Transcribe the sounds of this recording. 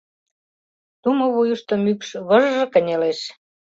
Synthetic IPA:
t̪umŏβujuʃt̪ŏmykʃβə̆ʒʒɤ̆kə̆nʲeleʃ

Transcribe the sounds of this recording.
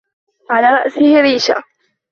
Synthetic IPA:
ʕalaːɾˤɑʔsɪhɪɾiːʃa̰

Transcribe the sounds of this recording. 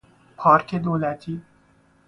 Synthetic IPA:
pʰɑːɾkʰed̪oːlæt̪ʰiː

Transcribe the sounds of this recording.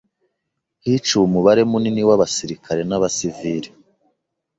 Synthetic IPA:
hit͡ʃumuβaɾe̞muniniwaβasiɾikʰaɾe̞naβasiviɾi

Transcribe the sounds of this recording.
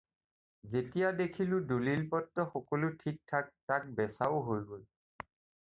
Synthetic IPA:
zetijadekʰilʊ̃dulilpɔtːɔxɔkɔlʊtʰik̚tʰak̚tak̚bɛsaʊɦojɡol

